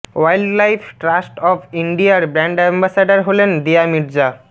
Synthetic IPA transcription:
wajlɖlajpʰʈɾasʈɔpʰiɳɖiaɾbɾɛɳɖɛmbasaɖaɾɦolend̪iamiɾd͡ʑa

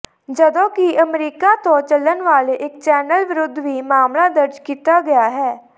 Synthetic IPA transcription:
d͡ʒəd̪õːkiʔəmɾiːkaːt̪õːt͡ʃələnʋaːleʔɪk̚t͡ʃɛːnəlʋɪɾʊd̪ʱːʋiːmaːmlad̪əɾd͡ʒkiːt̪aːɡɐjaːɦɛː

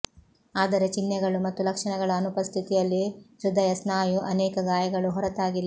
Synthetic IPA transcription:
aːd̪ɐɾet͡ʃinːɛɡɐɭumɐt̪ːulɐkʂɐɳɐɡɐɭɐːnupɐst̪ʰit̪ijɐlːiʃɾud̪ʱɐjɐsnaːjuʔɐnɛːkɐɡaːjɐɡɐɭuɦɔɾɐt̪aːɡilːɐ

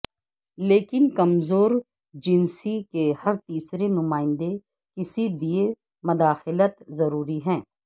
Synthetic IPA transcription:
leːkɪnkɐmzoːɾ | d͡ʒɪnsikehɐɾt̪iːsɾenʊmaːɪ̃nd̪e | kɪsid̪ie | mɐd̪aːxɪlət̪zɐɾuːɾiɦɛ̃ː

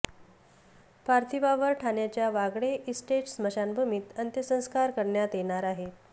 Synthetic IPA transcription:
paɾt̪ʰiʋaʋəɾʈʰaɳjat͡ɕjaʋaɡɽeʔisʈeʈsməɕanbʱumiːt̪ənt̪jəsə̃w̃skaɾkəɾɳjat̪jeɳ̃aɾaɦe

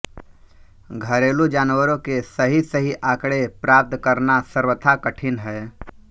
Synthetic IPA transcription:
ɡʱəɾeːlud͡ʒaːnwəɾõkesəɦisəɦiʔaːkɽepɾaːp̚t̪kəɾnasəɾwət̪ʰakəʈʰɪnɦɛː

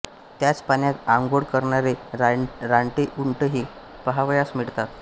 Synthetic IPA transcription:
t̪jat͡spaɳjat̪aŋɡoɽkəɾɳaɾeɾɾaɳʈeʔuɳʈəɦiː | pəɦaʋəjasmiɽt̪at̪

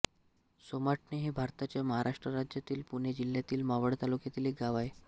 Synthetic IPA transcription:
somaʈneɦibʱaɾt̪at͡ɕjaməɦaɾʔaʂʈɾəɾad͡ʑjat̪iːlpuɳed͡ʑil̤ːjat̪iːlmaʋəɽt̪alukjat̪iːliːɡaʋae

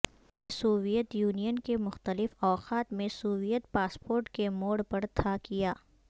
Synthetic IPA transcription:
suːʋijət̪juːnijənkemʊxt̪əlɪfɔːqaːt̪mẽsuːʋijət̪̚paːspoːɾʈkemoːɽpɐɾt̪ʰaːkijaː

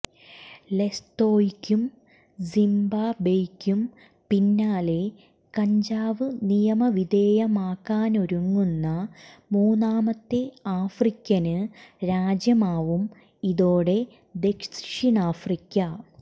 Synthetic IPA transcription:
le̞st̪oːikʲːum | simbabejkʲːum | pinːaːle̞ | kɐɲd͡ʑaːʋɨnijɐmɐʋid̪eːjɐmaːkːaːno̞ɾuŋːunːɐmuːnaːmɐt̪ːe̞aːfrikʲːɐnɨɾaːd͡ʑjɐmaːʋum | iðoːɽe̞ | d̪e̞kʂʂinaːfrikʲːɐ

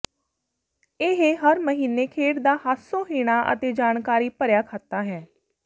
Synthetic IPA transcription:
ɪɦeɦəɾməɦiːneːkʰeːʈd̪aːɦat̪sõːɦiːɽ̃aːʔə̰t̪eːd͡ʒaːnkaːɾiːpəɾjaːkʰaːt̪aːɦɛː

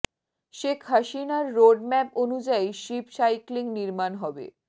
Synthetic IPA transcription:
ʃekʰɦaʃinaɾːoɖmɛponud͡ʑajʃipsajkliŋniɾmanɦɔbḛ

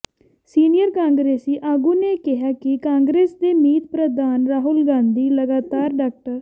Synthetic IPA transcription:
siːnɪjəɾkãːŋɡɾeːsiːʔaːɡũːneːkɪɦaːkɪkãːŋɡɾeːsd̪eːmiːt̪̚pɾəd̪aːnɾaːɦʊlɡãːnd̪iːləɡaːt̪aːɾɖaːk̚ʈəɾ

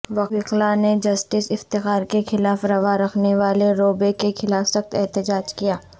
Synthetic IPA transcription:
ʋɐɪqlaned͡ʒɐsʈɪsɪft̪ɪxaːɾkexʰɪlaːfɾɐʋaɾɐxʰneʋaːleɾoːbekexʰɪlaːfsɐxt̪ɛɦt̪ɪd͡ʒaːd͡ʒkijaː

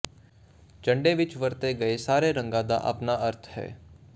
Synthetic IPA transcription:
t͡ʃə̃ɳɖeʋɪt͡ʃʋəɾt̪eɡɐesaːɾeɾə̃ŋɡãːd̪a̰ʔə̰pnaəɾt̪ʰɦɛ̰ː

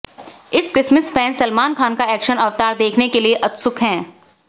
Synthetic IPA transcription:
ɪskɾɪsməsfʰɛ̃ːnsɐlmaːnkʰaːnkaɛːkʃənɐʋt̪aːɾd̪eːkʰnekelieʔɐt̪sʊkɦɛ̃ː

